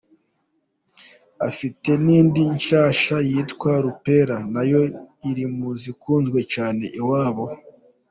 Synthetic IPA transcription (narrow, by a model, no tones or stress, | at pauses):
afite̞niːndiɲʃaːʃajiːtkwaɾupe̞ɾanajo̞iɾimuzikuːnzɡwe̞t͡ʃaːne̞ʔiwaːβo